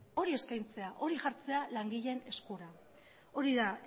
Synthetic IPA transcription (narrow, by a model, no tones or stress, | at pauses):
o̞ɾie̞skajnt͡se̞aʔo̞ɾiʝaɾt͡se̞alaŋɡiʎe̞ne̞skuɾa | o̞ɾiða